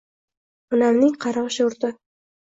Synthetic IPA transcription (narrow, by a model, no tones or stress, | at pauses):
ʊnamnɪŋqʰɑɾɑʁɨʃɪʊɾt̪ɪ